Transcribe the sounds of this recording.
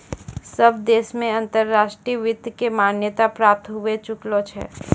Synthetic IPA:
səbd̪eːsmẽɐ̃nt̪əɾːaːʃʈɾiʋɪd̪ʱjkemaːnjət̪apɾaːp̚t̪ɦʊet͡ʃʊklot͡ʃʰɛ̰ː

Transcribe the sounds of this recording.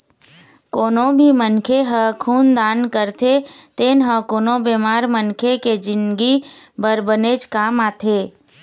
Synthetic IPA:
koːnõbʱimənkʰeɦəkʰuːnd̪aːnkəɾt̪ʰet̪eːnɦə̃koːnõbeːmaːɾmənkʰeked͡ʒɪnɡibəɾbəneːd͡ʒkaːmaːt̪ʰeː

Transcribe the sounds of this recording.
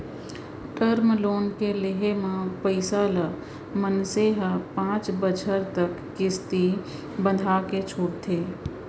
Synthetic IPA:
ʈəɾmloːnkelɪɦemãpəɪsalə | mənseɦəpãːt͡ʃbət͡ʃʰəɾt̪əkːɪst̪i | bə̃d̪ʱaket͡ʃʰoːɽt̪ʰeː

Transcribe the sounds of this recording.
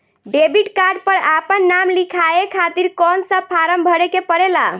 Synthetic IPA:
ɖebiʈkaɾɖ̚pəɾapənːamlikʰaekʰat̪iɾkɔnsəpʰaɾəmbʱəɽekepəɾela

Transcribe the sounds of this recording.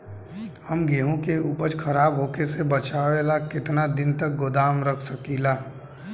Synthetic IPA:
həmɡeːɦõkeuːpəɾt͡ʃkʰəɾaːbɦoːkesebət͡ʃaːʋelakɪt̪nad̪ɪnt̪ək̚ɡʊd̪aːmɾəkʰsəkilaː

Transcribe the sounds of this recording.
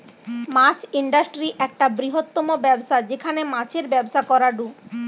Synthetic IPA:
mat͡ɕʰiɳɖasʈɾiʔɛk̚ʈabɾiɦot̪ːomobɛbʃad͡ʑekʰanemãt͡ɕʰeɾbɛbʃakɔɾaɖu

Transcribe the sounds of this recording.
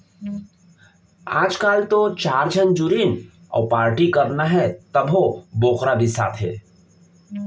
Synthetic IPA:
aːd͡ʒkaːlt̪ot͡ʃaːɾd͡ʒʱənd͡ʒʊɾiːn | ɔ̰ːpaːɾʈikɐɾnaɦɛt̪ɐbʱoboːqɾabʱisa̰ːt̪ʰɦɛː

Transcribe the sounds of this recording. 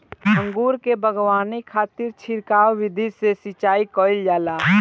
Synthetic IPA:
ə̃ŋɡuːɾkebʱəɡwaːnikʰaːt̪ɪɾt͡ʃʰɪɾkaːwːɪd̪ʱisesit͡ʃaːikɔːɪld͡ʒaːlaː

